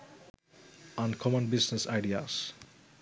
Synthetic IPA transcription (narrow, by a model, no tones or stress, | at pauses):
ãnkʰɔmənbiznesajɖia̰s